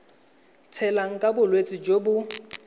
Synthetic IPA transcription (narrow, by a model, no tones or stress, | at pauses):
t͡sʰɛlaŋ̩kʼabʊlwet͡sʼɪd͡ʒobʊ